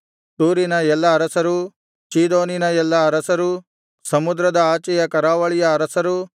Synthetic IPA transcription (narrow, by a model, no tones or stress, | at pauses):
t̪uːɾinɐjɛlːɐːɾɐsɐɾu | t͡ʃiːd̪oːninɐjɛlːɐɐɾɐsɐɾu | sɐmʊd̪ɾɐd̪ɐaːt͡ʃɐjɐkɐɾaːʋɐɭijɐɾɐsɐɾu